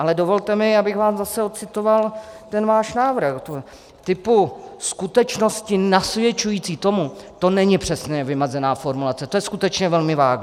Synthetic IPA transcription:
ʔalɛdovo̞lt̪ɛmɪabɪɣvaːszasɛot̪̚t͡sɪt̪ovalt̪ɛnvaːʃnaːvr̩xt̪ | t̪ɪpuskut̪ɛt͡ʃno̞scɪnasvjɛt͡ʃujiːt͡siːt̪o̞mut̪o̞nɛɲɪpr̥ɛsnɛːvɪmɛzɛnaːfo̞ɾmulat͡sɛt̪o̞jɛskut̪ɛt͡ʃɲɛvɛlmɪvaː

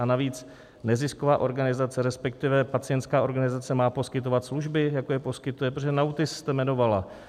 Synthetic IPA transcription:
anaviːt͡s | nɛzɪskovaːʔo̞ɾɡanɪzat͡sɛɾɛspɛk̚t̪ɪvɛpat͡sɪɛnt̪skaːo̞ɾɡanɪzat͡sɛmaːpo̞skɪt̪̬o̞vat̪sluʒbɪjakojɛpo̞skɪt̪ujɛpɾoʒɛnawt̪ɪsst̪ɛmɛno̞vala

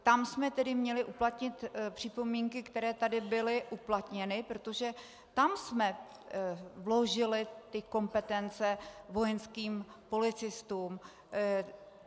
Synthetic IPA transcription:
t̪amsmɛt̪ɛdɪmɲɛlɪʔuplat̪ɲɪt̪pr̥ɪpo̞miŋkɪkt̪ɛɾɛːt̪adɪbɪlɪʔuplat̪ɲɛnɪpɾo̞t̪o̞ʒɛ | t̪amsmɛ | vlo̞ʒɪlɪt̪ɪko̞mpɛt̪ɛnt͡sɛvo̞jɛnskiːmpo̞lɪt͡sɪst̪uːm

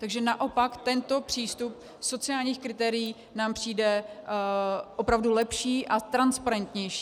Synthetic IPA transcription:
t̪aɡʒɛnaʔo̞pakt̪ɛnt̪o̞pr̝̥iːst̪up̚ | so̞t͡sɪaːlɲiːxkɾɪt̪ɛːɾɪjiː | naːmpr̝̥iːdɛ | ʔo̞pɾavdulɛpʃiːʔat̪ɾanspaɾɛnt̪ɲɛjʃi̥ː

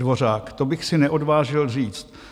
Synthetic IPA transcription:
vo̞r̝aːkt̪obɪxsɪnɛʔo̞dvaːʒɪlr̝iːt͡st̪̚

